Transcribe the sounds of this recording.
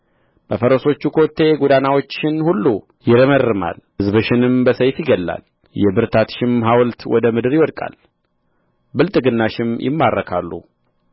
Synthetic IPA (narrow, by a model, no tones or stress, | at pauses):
b̥əfəɾəso̞t͡ʃːukʰot̪ʰːe̞ɡud̪anawo̞t͡ʃːɪnhulːu | jɪɾəmərːɨma̰lhɨzbɨʃɪnɨmbəsəjfjɪɡəlːa̰l | jɛbɨɾt̪ʰat̪ʃɪmɦawlt̪wɔd̪əmɨd̪ɨɾjɪwɔd̪kʼa̰l | bɨlt̪ʼɨɡɨnːaʃɪmjʔɪ̰mːaɾːəkʰa̰lːṵ